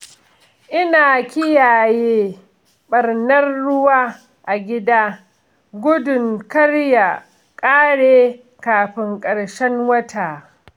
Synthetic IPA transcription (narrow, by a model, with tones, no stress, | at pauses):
ʔɪ˦naː˨kʲɪ˦jaː˨jeː˦ | ɓɐ˨rnɐ˦rːʊ˦waː˦ | ʔa˨ɡʲɪ˦daː˦ | ɡʷʊ˦dʊ˨ŋkɐ˦rja˨ | kʼaː˦ɽeː˦ | kaː˨ɸɪ˦ŋkʼɐ˨ɽʃɛ˦nwɐ˦tʰaː˨